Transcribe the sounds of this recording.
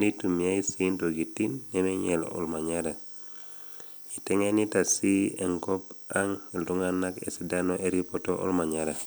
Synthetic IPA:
ni˦tu˨mi˨a˦i˦sinto˨ɡi˨ti˦nːɛ˦meɲɛl̰ɔ̰˨lma˨ɲaɾa˨ | i˨tɛ˦ŋe˦ni˦ta˨si˦ḛ˨ŋkɔ˦paŋi˨ldu˦ŋanakḛ˨si˨dano˦ʔe˦ɾipɔto˦ʔɔ̰˦lma˨ɲaɾa˨

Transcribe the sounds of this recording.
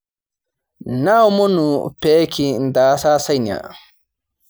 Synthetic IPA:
na˦wmɔ˦nu˨peː˦kʰi˨nd̪aː˨saː˦sɐ˦jni˨a̰˨

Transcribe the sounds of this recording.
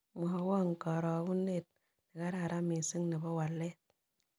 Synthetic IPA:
mu˨ɦa˨wo˦ŋ̩˨kɔ˨ɾɔ˨˦wu˦ne˦˨t̚ | ni˨ka˦ɾa˨ɾa˦mi˨si˦ŋni˨bɔ˦wa˨lːe˦

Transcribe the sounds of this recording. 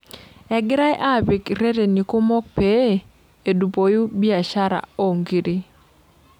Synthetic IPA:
ɛ˨ɡɪ˦ɾa˦jʔa˦˨bi˨kɾe˦de˨ni˨ko˦mɔ˦k̚pe˨˦˨ | e˨du˨po˨ju˦bi˦a˨ʃa˦ɾa̰˨o˦ŋɡi˨ɾi˦

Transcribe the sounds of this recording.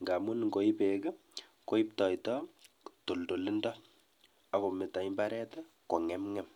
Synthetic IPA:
ŋɡa˨mu˦nŋɡo˨ipeɡa˦ | ko˦ip̚tɔ˨jtɔ | to˨ldo˨li˦ndɔ | a˨ko˨meta˨imbaɾɛ˦ta | ko˨ŋɛmŋɛm

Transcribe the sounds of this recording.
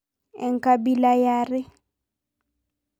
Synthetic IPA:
ɛ˨ŋ̩˦kʼa˦bi˦la˦jaː˦rɪ˦

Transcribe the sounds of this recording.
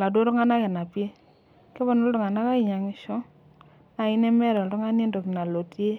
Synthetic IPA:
la˨do˦ɾɔ˦ŋa˦na˦kɪ˨na˨pje˦ | kɛ˦bɔ˦nɔ˦ldɔ˨ŋa˨na˦ka˦ɪ˨ɲa˨ŋɪ˨˦ʃɔ˦ | na˨ɪ˦nɛ˦mɛ˦ɾɔ˨lɾɔ˦ŋa˦nje˦ndo˨kɪ˨na˨lo˨tje˦

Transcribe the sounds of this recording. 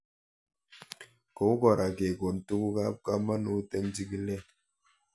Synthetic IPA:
ko˨˦u˦kɔ˨ɾa˨ke˨ɡo˨n̩˨tu˦ku˦ka˦p̚ka˦ma˦nu˨˦te˦ŋd͡ʒi˦ki˦lɛ˦˨

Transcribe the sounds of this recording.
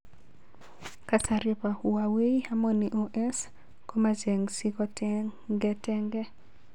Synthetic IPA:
ka˨ta˨ɾɪ˦pa˨u˨a˨we˦i˦a˦mɔ˦ni˨ʔo˨ʔɛ˦s | ko˦ma˦d͡ʒe˨ŋsi˦kɔ˦tɛɡɛ˦tɛ˦ŋɡɛ˦

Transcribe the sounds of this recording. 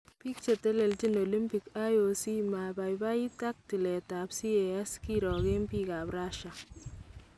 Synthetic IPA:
pi˦k̚t͡ʃe˨tɛ˦lɛ˨lt͡ʃi˦no˨li˦mpi˨ka˦jo˨si˦ma˨ba˨jba˦i˦ta˦k̚ti˨lɛ˨ta˨bsi˦ɛ˨a˦ski˦ɾɔ˨ɡe˦mpi˦ka˨bɾa˦ʃa˨

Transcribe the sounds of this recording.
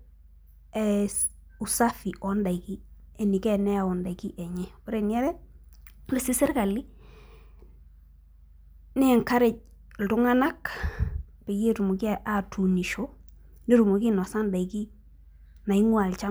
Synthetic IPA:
ɛ˨ | u˨sa˦fi˨ʔɔ˨˦nda˨i˨ki˦ | e˨ni˨kɛ˦nɛ˦a˨o˨nda˨ki˦ʔɛ˨ɲɛ˦pu˦ɾe˨ni˦a˦ɾɛ˦ | le˨˦si˦sɪ˦ɾka˨li˦ | ne˦˨ŋka˦ɾe˨t͡ʃ̚ | ltu˦ŋa˦na˦k | pe˨je˦tu˨mo˨ki˦a˦ʔa˨tʰu˨ni˨ʃo˦ | ni˦ɾu˨mo˨ki˦n˨a˨sa˦nda˨i˨ki˦ | na˨i˦ŋwa˨lt͡ʃa˦

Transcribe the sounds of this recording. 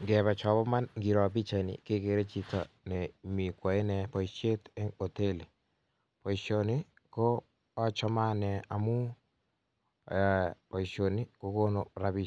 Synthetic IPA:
ŋɡɛ˨βɛ˨t͡ʃɔ˨bɔ˦ma˦nɡi˨ɾɔ˨bi˦t͡ʃa˨nḭ˨ke˦ke˨ɾe˦t͡ʃi˦tɔ̰˨ | nɛ˨mi˨kwa˨e˦nɛ˨pɔ˨i˨t͡ʃe˦te˦o˨te˦li˨ | po˨i˨ʃo˨ni˦ | ko˦ | ɔ˦t͡ʃɔ˦ma˦nɛ˨a˨mu˦˨ | pɔ˨i˨ʃo˨ni˦ko˦ko˦no˨ɾa˨bi˦˨

